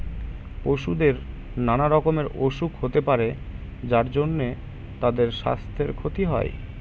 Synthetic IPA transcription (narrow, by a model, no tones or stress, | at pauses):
poʃud̪eɾ | nanaɾɔkomeɾoʃukɦot̪epaɾe | d͡ʑaɾd͡ʑonːe | t̪ad̪eɾʃa̰st̪ʰeɾkʰot̪iɦɔ̰e